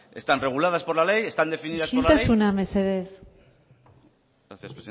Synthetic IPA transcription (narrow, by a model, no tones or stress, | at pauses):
est̪anreɣ̞ulað̞aspolalejest̪and̪e̞finiðasonlt̪aseunameseðeθ | ɾaθjaspɾesi